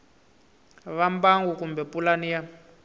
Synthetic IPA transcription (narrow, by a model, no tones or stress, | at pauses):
βambaŋɡukumbɛpulanija